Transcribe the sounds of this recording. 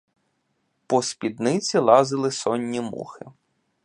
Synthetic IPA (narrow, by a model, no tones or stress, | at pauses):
pɔspʲid̪nɪt͡sʲilˠɑzɪlˠɪsɔnʲːimṵxɪ̰